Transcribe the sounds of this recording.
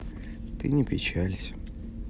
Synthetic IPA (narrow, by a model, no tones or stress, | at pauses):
t̪ɨnʲɪpʲɪt͡ɕælʲsʲ